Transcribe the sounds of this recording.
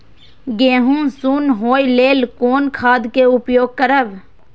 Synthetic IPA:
ɡẽːɦũsuːnɦoːjleːlkoːnkʰaːd̪keʊpjoːɡ̚kəɾəʋ

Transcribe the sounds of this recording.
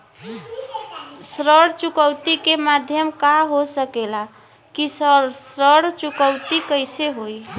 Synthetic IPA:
sɾəɽt͡ʃukəwt̪ikemad̪ʱjəmkaɦosəkela | kissɾəɽt͡ʃukəwt̪ikəjseɦoj

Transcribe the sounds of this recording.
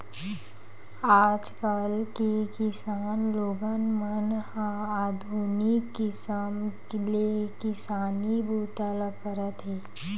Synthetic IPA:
aːd͡ʒkalkekɪsaːnloːɡənmənhãaːd̪ʱunikːɪsəmkliekɪsaːnibʱuːt̪ələpəɾət̪ɦɛː

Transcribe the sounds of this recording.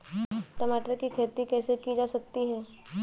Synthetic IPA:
ʈɐmaːʈəɾkikʰeːt̪ikɛːsekid͡ʒaːsɐk̚t̪iɦɛː

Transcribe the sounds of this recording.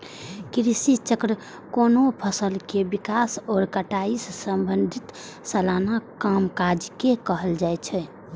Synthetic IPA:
kiɾisit͡ʃəkɾə | konopʰəsəlkebikasɔːɾkəʈaisːəmbənd̪ʱit̪ | səlanakamkad͡ʒkekəɦəld͡ʒajt͡ʃʰɛ

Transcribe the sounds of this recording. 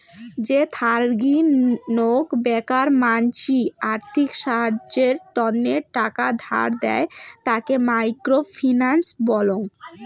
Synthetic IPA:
d͡ʑet̪ʰaɾɡinokbɛkaɾmant͡ɕiaɾt̪ʰikʃaɦad͡ʑeɾt̪ɔnːeɾʈakad̪ʱa̰ɾd̪ɛ̰et̪akemajkɾofʰinansbɔloŋ

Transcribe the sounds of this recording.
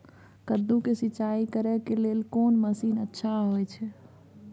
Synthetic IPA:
kəd̪ũkesit͡ʃaikəɾɛkelelkonməsinətːʃʰaɦojt͡ʃʰɛ

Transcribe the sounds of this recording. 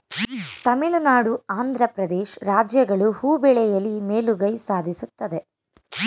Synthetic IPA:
t̪ɐmilunaːɽuaːnd̪ʱɾɐpɾɐd̪eːʃɾaːd͡ʒjɐɡɐɭuhuːbɛɭɛjɐlːimeːluɡɐjsaːd̪ʱisut̪ːɐd̪e̞

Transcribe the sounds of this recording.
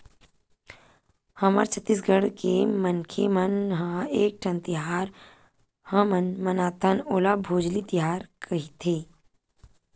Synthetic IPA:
həma̰ɾt͡ʃʰət̪ːis̬ɡəɽkemənkʰemənɦãeːk̚ʈʰə̃nt̪ɪɦaːɾ | hə̃mənmənaːt̪ənoːlabʱoːd͡ʒlit̪iɦaːɾkʰɐɦit̪ʰeː

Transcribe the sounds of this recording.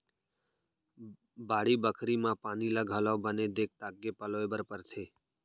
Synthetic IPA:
baːɽibəkʰɾimãpaːnilaɡʱəlobəned̪eːk̚t̪aːɡːepəloebəɾpəɾt̪ʰeː

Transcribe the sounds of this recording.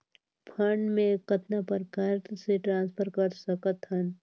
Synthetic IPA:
pʰəɳɖmẽkɐt̪napɐɾɡɐɾseʈɾãːnspʰəɾkɐɾsɐkət̪ɦən

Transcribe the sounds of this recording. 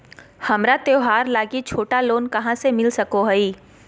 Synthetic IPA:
hɐmɾat̪eoɦaːɾlaːɡit͡ʃʰoːʈaloːnkɐɦãsemɪlsɐkoɦɐiː

